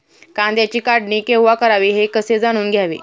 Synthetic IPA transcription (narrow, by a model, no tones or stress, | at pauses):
kãnt̪jat͡ɕiːkaɽniːkewʋakəɾaʋeɦekəsed͡zaɽ̃uːnɡʱjaʋḛ